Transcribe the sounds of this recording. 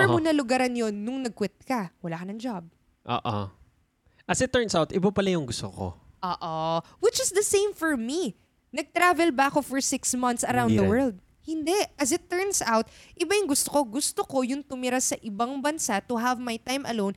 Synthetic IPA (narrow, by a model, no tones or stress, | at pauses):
pɛɹmunɐlʊɡaɾɐnjo̞nːʊŋnɐɡ̚kwɪt̪̚kɐwɐlaːkɐnɐŋd͡ʒab̚ | ʔo̰ːʔo̰ | ʔɐsɪt̪ːɛɹnsawt̪ʔɪbapɐlajʊŋɡʊst̪oko̰ʔoːʔo | wɪt͡ʃɪsd̪ɐsẽjmfɔɹmi | nɐɡ̚t̪ɾavɛlbɐkofɔɹsɪksmɐ̃nt̪sɐɾawnd̪ɐwɜɹld̪̚ | hɪnd̪ɛʔɐsɪt̪ːɛɹnsawt̪̚ʔɪbajʊŋɡʊst̪oko̞ɡʊst̪oko̞jʊŋt̪ʊmɪɾasɐʔɪbaŋbɐnsat̪ʊɦɐvmajt̪ãjmʔɐ̰lown